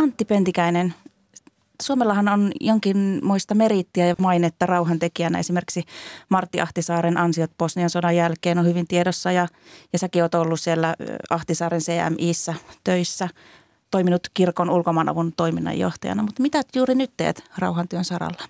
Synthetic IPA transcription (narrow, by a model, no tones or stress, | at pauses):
ɑnt̪ːipent̪ikæinen | suomelːɑhɑnonjoŋkinmoist̪ɑmerit̪ːiæjɑmɑinet̪ːɑrɑuhɑnt̪ekiænːæ̰esimerkiksimɑrt̪ːiɑht̪isɑːɾenʔɑnsiot̪̚posniɑnsodɑjælkeːnohyʋint̪iedosːɑjɑjɑsækioːt̪olːussielːæɑht̪isɑːrenseːæ̰mʔiːsːæt̪øisːæ | t̪oiminut̪kirkonulkomɑːnɑ̰ʋunt̪oiminːɑ̰jjo̰ht̪ɑjɑ̰nɑmut̪mit̪æt̪juːrinyt̪t̪ḛːt̪rɑ̰uhɑnt̪yønsɑrɑ̰lːɑ̥